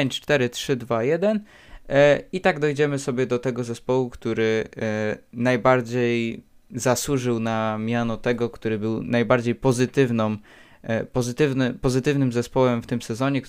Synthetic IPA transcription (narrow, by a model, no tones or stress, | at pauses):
ɲt͡ʂt͡ʂt̪ɛɾɘtʂɘd̪vajɛd̪ɛn | it̪aɡd̪ɔjd͡ʑɛmɘsɔbʲjɛd̪ɔt̪ɛɡɔzɛspɔwukt̪uɾɘ | najbaɾd͡ʑej | zaswuʐɘwnamʲjanɔt̪ɛɡɔkt̪uɾɘbɘwnajbaɾd͡ʑejpɔzɘt̪ɘvnɔm | pɔzɘt̪ɘvnɘpɔzɘt̪ɘvnɘmzɛspɔwɛmft̪ɘmsɛzɔɲɛk